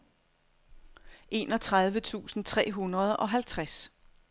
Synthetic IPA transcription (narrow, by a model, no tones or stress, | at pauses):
ʔe̝̰ːnɒ̽t͡sʰʁað̞ˠʋət͡sʰṵːsn̩t͡sʰʁɛ̰ːɦunʁɐð̞ˠɒ̽ɦælt͡sʰʁas